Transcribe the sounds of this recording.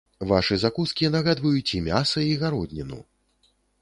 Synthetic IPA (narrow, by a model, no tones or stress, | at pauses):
vaʂɨzakuskʲinɐɣad̪vɐjut͡sʲimʲasɐiɣaɾɔd̪ʲnʲinṵ